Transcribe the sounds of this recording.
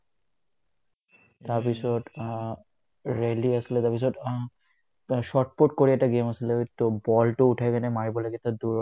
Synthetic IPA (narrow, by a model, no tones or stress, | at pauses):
t̪aɾpisɔʈ | ɾeliasilet̪aɾpisɔʈ | ʃɔʈ̚poʈ̚koɾiɛk̚ʈaɡemasileek̚t̪obɔlʈouʈʰaekɛnemaɾibɔleket̪ad̪uɾ